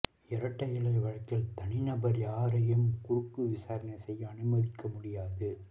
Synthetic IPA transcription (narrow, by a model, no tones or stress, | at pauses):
ɛɾɐʈːɐjɪlɐɪʋɐɻɐkːɪlt̪ɐɳɪnɐbɐɾiaːɾɐjɐmkʊrʊkːɯʋɪsaːɾɐnɐɪsɛjːɐɐnɯmɐðɪkːɐmʊɽɪjaːðɯ